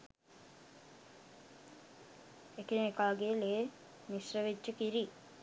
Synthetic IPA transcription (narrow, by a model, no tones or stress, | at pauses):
ekenekaːɡeːle | nisrəʋed͡ʒːəkiɾi